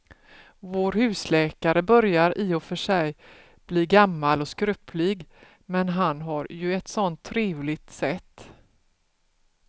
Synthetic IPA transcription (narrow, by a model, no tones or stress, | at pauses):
voːɾhʉ̟ːslɛːkaɾəbœɾjaɾʔɪɔfœʂɛj | b̥liːɡamːalɔskɾʉpʰlɪɡ | mɛnɦanɦaɾjɵɛt̪sɔnt̪ʰːɾeːvlɪɡ̚t̪sɛt̪ː